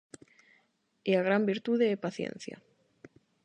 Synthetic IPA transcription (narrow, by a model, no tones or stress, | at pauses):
eaɣ̞ɾambiɾt̪uðeːpaθjḛ̃n̟θja̰